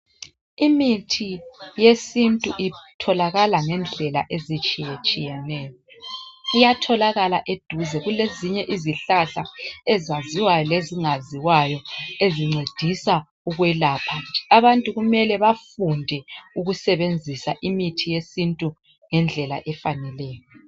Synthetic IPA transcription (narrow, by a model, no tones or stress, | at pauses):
imitʰijesintʼuʔitʰɔlaɣalaŋɛnd͡ɮʱɛla̰ʔezit͡ʃʼijɛt͡ʃʼijɛnɛːjɔ | ijatʰɔlaɣalaʔed̥ʱuzɛɣuleziɲɛʔiziɬaɬaɛzaziwajɔleziŋaziwajɔeziŋ͡ǀed̥ʱisa | uɣwɛlaːpʰaɛaβantʼuɣumɛlɛβafundʱɛuɣusɛβend͡zʱisaʔimitʰijesintʼu | ŋɛnd͡ɮʱɛla̰ʔɛfanɛlɛːjɔ